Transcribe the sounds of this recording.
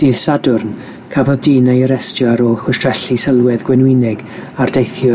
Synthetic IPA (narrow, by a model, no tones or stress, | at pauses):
d̥iːð̥sadʊrn | kʰavɔðdiːnajəɾɛstjaɾɔxwʊstr̥ɛɬisəlˠwɛðɡ̥wɛnwɪnɛɡ | ardejθjɔ